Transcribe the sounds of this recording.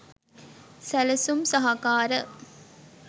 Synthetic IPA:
sæləsumsɐɦakaːɾə

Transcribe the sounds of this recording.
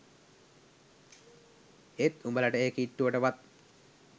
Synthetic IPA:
et̪umbələʈəeːkiʈːuʋəʈəʋat̪̚

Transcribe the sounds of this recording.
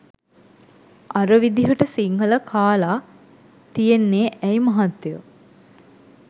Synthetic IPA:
aɾəʋid̪iɦəʈəsiŋɦələkʰaːlaː | t̪ijenːeːʔɛjmaɦat̪ːejə

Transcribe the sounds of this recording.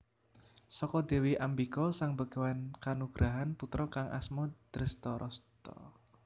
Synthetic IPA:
sɔkɔd̪̥e̤wiʔambikɔsaŋbəɡ̥awankanuɡ̥ɾaɦanput̪ɾɔkaŋʔa̰smɔd̪̥ɾəst̪ɔɾʔɔst̪ɔ̰

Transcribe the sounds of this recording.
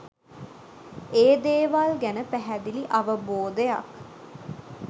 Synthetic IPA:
eːd̪eːʋalɡænəpæɦæd̪iliʔaʋəboːd̪eja̰k

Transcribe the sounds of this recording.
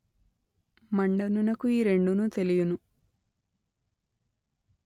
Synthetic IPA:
mɐɳɖɐnunɐkːuiːɾe̞ɳɖunut̪e̞lijunu

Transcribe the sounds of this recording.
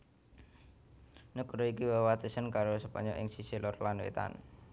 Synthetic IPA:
nukuɾoikiwewat̪usənkaɾosəpə̰ɲɔʔɪ̰ŋsisilɔrlanwḛt̪a̰n

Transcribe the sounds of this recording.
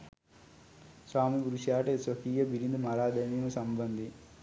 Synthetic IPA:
swaːmibuɾuʃjaːʈɐsɐkiːjɐbiɾind̪umɐɾaːd̪ɐmimɐsɐmbɐnd̪ʱi

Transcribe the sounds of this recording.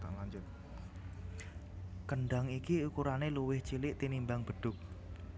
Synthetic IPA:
ka̰laɲd͡ʒʊt̪̚ | kəɳɖa̤ŋikiukuɾaneluwɪht͡ʃilɪʔt̪inimbaŋb̥ə̤ɖ̥ʊ̤k̚

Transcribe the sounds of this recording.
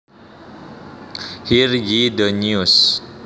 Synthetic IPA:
hirjidəɲus

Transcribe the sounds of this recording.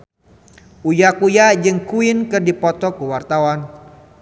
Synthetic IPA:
ujakujad͡ʒɨŋkuɪnkɨrdipɔt̪ɔkəwart̪awan

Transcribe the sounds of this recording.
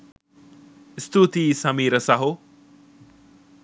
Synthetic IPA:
ist̪ut̪iːsɐmiːɾəsɐɦu

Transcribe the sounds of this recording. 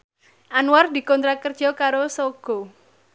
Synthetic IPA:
ʔanward̪i̤kɔnt̪ɾakərd̥ʒ̥ɔ̤kaɾosoɡ̥ɔ

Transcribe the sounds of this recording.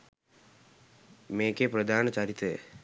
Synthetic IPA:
meːkepɾɐd̪ʱaːnɐt͡ɕɐɾit̪ɾe

